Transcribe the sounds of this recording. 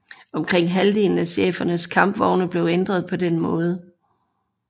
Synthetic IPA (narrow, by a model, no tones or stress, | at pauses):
ɒ̽mkʰʁeŋ̰ɦæld̥e̝ːln̩æɕḛːfɐnəskʰɑ̈mb̥ʋɒʊnəb̥le̝ʊend̥ʁɐðˠpʰɒ̽d̥enmɔ̽ːð̞ˠə